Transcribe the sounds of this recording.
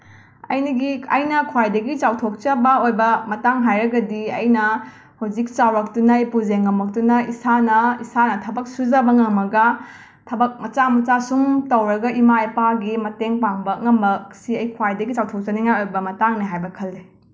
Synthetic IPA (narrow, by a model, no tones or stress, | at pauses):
ɐ̰jniɡiɐ̰jnɐkʰwajdɐɡit͡ʃawtʰok̚t͡ʃɐbɐojbɐmɐtaŋɦajɾɐɡɐdiɐ̰jnɐ | huwd͡ʒik̚t͡ʃawɾɐk̚tunɐjpud͡ʒeŋːɐmɐk̚tunɐisanɐisanɐtʰɐbɐk̚sud͡ʒɐbɐŋɐŋɐɡɐ | tʰɐbɐk̚mɐt͡ʃamɐt͡ʃasumtɐwɾɐɡɐimaepaɡimɐteŋpaŋbɐŋɐmɐksiɐjkʰwajdɐɡit͡ʃawtʰok̚t͡ʃɐniŋajojbɐmɐtaŋniɦajbɐkʰɐlːe